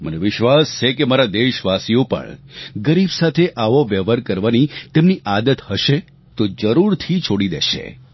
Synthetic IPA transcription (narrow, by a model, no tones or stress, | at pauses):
mə̰neʋɪʃʋast͡ʃʰekemaɾad̪eʃʋasiõpə̰ɳɡəɾibsat̪ʰeʔaʋoʋeʋəɾkəɾʋanit̪emniʔad̪ət̪həʃe | t̪od͡ʒəɾuɾt̪ʰit͡ʃʰoɽid̪eʃḛ